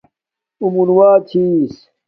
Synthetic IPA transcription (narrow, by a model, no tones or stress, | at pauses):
umunwaːt͡ɕʰiːs